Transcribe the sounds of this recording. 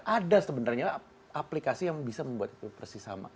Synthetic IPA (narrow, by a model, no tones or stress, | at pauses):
ʔadasəbənarɲa | aplikasijaŋbisaməmbuat̪it̪upərsisa̰ma̰